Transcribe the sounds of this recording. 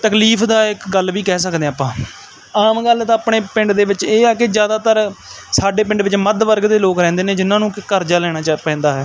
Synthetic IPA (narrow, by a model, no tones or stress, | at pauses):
t̪əkliːpʰd̪aːɪkɡəlʋiːkɛːsəkd̪ẽːaːpːãː | aːmɡəlɛːt̪ãːpɳeːpɪ̃ɳɖd̪eːʋɪt͡ʃeːɛːkɪd͡ʒjaːd̪aːt̪əɾ | saːɖeːpɪ̃ɳɖʋɪt͡ʃməd̪ʋəɾɡd̪eːloːkɾɛ̃ːnd̪eːneːd͡ʒɪnãːnũːkkəɾd͡ʒaːlɛːɽ̃aːt͡ʃːpɛ̃ːnd̪aːɦɛː